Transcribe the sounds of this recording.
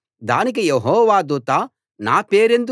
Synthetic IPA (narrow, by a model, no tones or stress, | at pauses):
d̪aːnik̬ijeɦɔːʋaːd̪uːt̪aː | naːpeːɾe̞nd̪u